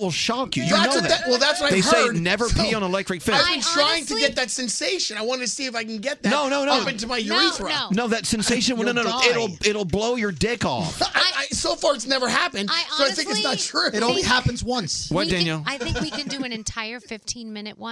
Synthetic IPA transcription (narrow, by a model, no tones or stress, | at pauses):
wɪlˠʃɑkjɨjɨanoʊððætwɛlˠðætswaɪðeɪeɪnɛvə˞pʰiə̃nəlɛk̚tɹ̥ɨkfɪaɪbɨ̃ntʰɹ̥aɪɪ̃ŋtʰɨɡɛt̪̚ðɨtsɛ̃nseɪʃɨ̃naɪwɑ̃ntɨsiɨfaɪkɨ̃n̩ɡɛt̪̚ðɨnoʊnoʊnoʊpɪ̃ntɨmaɪjĩθɹʌnoʊðɨtsɛ̃nseɪʃɨ̃nwnoɪɾl̩ˠɪɾl̩ˠbloʊjə˞dɪkɔ̰faɪaɪsoʊfɑɹɨtsnɛvə˞ɦæpɨ̃ndbə˞aɪθɪ̃ŋkɨtsnətʃuɨɾõʊ̃nliɦæpɨ̃n̩zwʌ̃nswʌdæ̃njl̩ˠaɪθɪ̃ŋkwikɨ̃ndɨɨ̃nɨ̃ntʰaɪə˞fɪftʰĩnmɪ̃nɨt̚wʌ̃